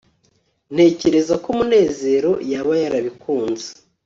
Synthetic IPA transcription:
n̥he̞ce̞ɾe̞zakomune̞ːze̞ːɾo̞jaβajaɾaβikuːnze̥

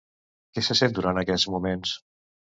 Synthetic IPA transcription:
kɛsəsent̪d̪uɾant̪əkɛzmumens

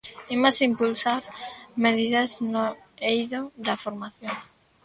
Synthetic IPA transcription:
imasimpulsaɾmeðiðɐzno | ejðoðɐfoɾmaθjoŋ

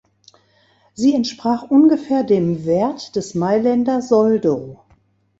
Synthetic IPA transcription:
ziːɛntʃpʁ̥aːχʔʊnɡəfɛːɐdeːmvɛɐtd̥ɛsmaɪlɛndɐzɔldo

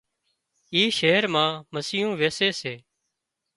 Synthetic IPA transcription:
iːʃeːəɾmãːməsɪːjõːʋeːseːseː

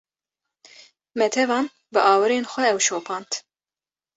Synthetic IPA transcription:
mɛt̪ʰɛvɑːn | bɨʔɑːwɨɾeːnxʷɛɛwʃoːpʰɑːnt̪

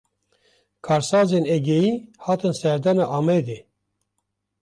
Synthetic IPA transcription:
kʰɑːɾsɑːzeːnɛɡejiːhɑːt̪ɨnsɛɾd̪ɑnɑʔɑːmɛd̪eː

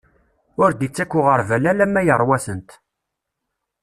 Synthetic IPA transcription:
ʊɾd̪it͡sːækʷːʊʁəɾvælælæmːæjərˤwæsənt̪

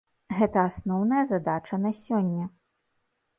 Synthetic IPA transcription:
ɣɛt̪ɐːsnɔwnɐjɐzad̪at͡ʂɐnɐsʲɔnʲːɐ

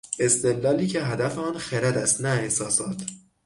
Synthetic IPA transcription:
e̞st̪ed̪lɒːliːcʰe̞ɦæd̪æfeɒːnxeɾæd̪æst̪næehsɒːsɒːt̪ʰ

